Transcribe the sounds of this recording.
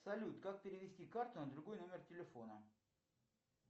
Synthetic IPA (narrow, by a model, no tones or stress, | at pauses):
sɐlʲut̪kak̚pʲɪɾʲɪvʲɪsʲtʲikart̪ʊnəd̪ɾʊɡo̞jno̞mʲɪrtʲɪlʲɪfo̞nə